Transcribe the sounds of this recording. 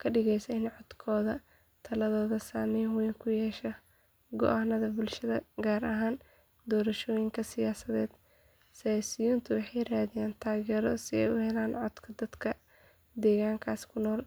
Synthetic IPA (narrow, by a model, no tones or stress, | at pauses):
kʰɐɖɪɣɛjsɐɪnʕɔd̪kʰɔːðɐ | t̪ʰɐlɐðɔːðɐsaːmɛːnwɛjŋkʰʊjɛːʃɐ | ɡɔ̰ʔaːnɐðɐbʊlʃɐðɐɡaːɾɐɦaːn | d̪ɔːɾɐʃɔːjɪŋkʰɐsɪjaːsɐðɛːd̪ | sɐjaːsɪjʊːnt̪ʰʊwɑħɑjraːðɪjaːnt̪ʰaːɣɛːɾɔsɪɛ̰jʊhɛlaːnʕɔd̪kʰɐd̪ɐd̪kʰɐ | d̪ɛːɣaːŋkʰaːskʰʊnɔːl